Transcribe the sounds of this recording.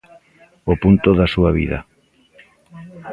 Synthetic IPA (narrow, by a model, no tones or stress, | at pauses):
opunt̪oðasuaβḭðɐ̰